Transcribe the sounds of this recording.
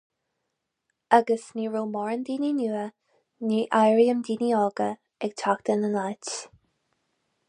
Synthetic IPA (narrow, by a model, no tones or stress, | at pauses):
aɡəsniːɹoːmɔɹənd̪iːninuːə | niːʔajɹiəmd̪iːniɔːɡə | ɛɡ̚t̪ʰakt̪ənənajt